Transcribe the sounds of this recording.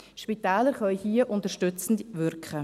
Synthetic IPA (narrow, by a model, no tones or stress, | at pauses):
ʃpitɛːləɾχœʏhiəʔʊntəʃtʏt͡sn̩dʋʏɾkχə